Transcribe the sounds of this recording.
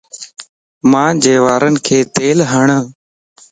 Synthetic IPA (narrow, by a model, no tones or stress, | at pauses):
mãːd͡ʒeːʋaːɾənkʰeːt̪eːlɦəɳə̃ː